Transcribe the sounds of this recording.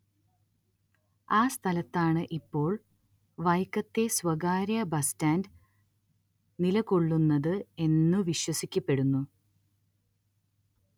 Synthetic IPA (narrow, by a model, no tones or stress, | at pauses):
aːst̪ʰɐlɐt̪ːaːɳɨʔipːo̞ːɭ | ʋɐjkːɐt̪ːe̞swɐɡaːɾjɐbɐstaːnd | nilɐko̞ɭːunːɐðɨe̞nːuʋiɕwɐsikʲːɐpːe̞ɽunːu